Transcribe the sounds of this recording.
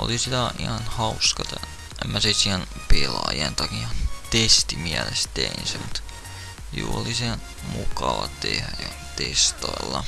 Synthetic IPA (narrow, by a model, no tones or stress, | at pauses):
o̰lisit̪æḭhɑnhɑuskɑt̪ɑ | emːæsesien | pelɑjent̪ɑkihɑnt̪est̪imiælest̪einsemut̪ | juːolisiæ | mukɑʋɑt̪ehæjo | t̪est̪oelːɑ